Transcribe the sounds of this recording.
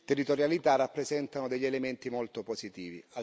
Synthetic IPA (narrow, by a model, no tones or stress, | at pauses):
t̪ɛrːit̪oɾjalit̪arːapːɾɛzɛnt̪anod̪ɛʎːelement̪imolt̪opozit̪iːvḭa